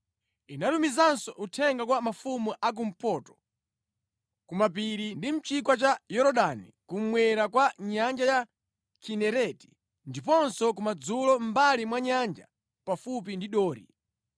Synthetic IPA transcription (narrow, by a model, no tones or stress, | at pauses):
inatumizansɔʔutʰɛŋɡakwamafumuʔak̬um̩pɔːtɔ̥ | kumap̬iɾindim̩t͡ʃikwat͡ʃajɔɾɔɗanikum̩mwɛɾakwaɲand͡ʒaja | kʰinɛɾɛti̥ | ndipɔnsɔk̬umad͡zulɔm̩balimwaɲand͡ʒa̰ | pafup̬indiɗɔːɾḭ